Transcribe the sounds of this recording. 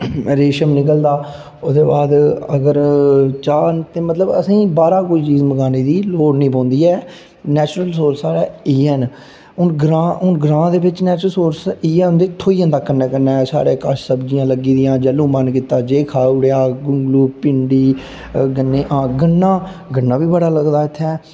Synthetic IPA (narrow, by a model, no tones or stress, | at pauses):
ɾeːʃəmnɪkəld̪aː | ʊd̪eːbaːd̪əɡəɾt͡ʃaːnt̪eːmət̪ləbə̰sĩːbaːɾãːkoːiːt͡ʃiːzməɡaːniːd̪iːloːɽnĩːpõːnd̪iːɛː | nɛːt͡ʃɾəlsoːɾsaːɽaːiːɛːn | ʊnɡɾãːʊnɡɾãːd̪eːbɪt͡ʃnɛːt͡ʃəlsoːɾsiːɛ̃ːnd̪eːt̪ʰːoːiːə̃nd̪aːkəɾnɛːkəɾnɛːsa̰ːɾeːkəʃsəbd͡ʒɪjãːləɡiːd̪ɪjãːd͡ʒəlːũːmənk̬iːt̪ːaːd͡ʒeːkʰaːɽejaːɡʊŋɡluːpɪɳɖiː | ɡənːeːʔãːɡəɳːãːɡənːãːbiːbəɽaːləɡd̪aːɪt̪ʰːɛː